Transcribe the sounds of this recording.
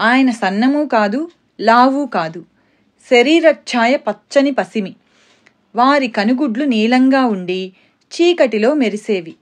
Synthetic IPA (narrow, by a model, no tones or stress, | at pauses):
aːjɐnɐsɐnːɐmuːkaːd̪u | laːʋuːkaːd̪u | seɾiːɾɐt͡ʃaːjɐpɐt͡ʃt͡ʃːɐnipɐsimi | ʋaːɾikɐnuɡuɖluniːlɐŋɡaːuɳɖi | t͡ʃiːkɐʈilo̞ːmeɾise̞ːʋi